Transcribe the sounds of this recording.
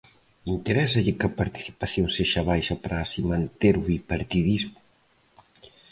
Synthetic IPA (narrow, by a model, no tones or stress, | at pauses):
int̪eɾɛsɐʎɪkɐpaɾt̪i̥θi̥paθjoŋseʃɐβajʃɐpɾaːsimãnt̪eɾuipaɾt̪iðizmʊ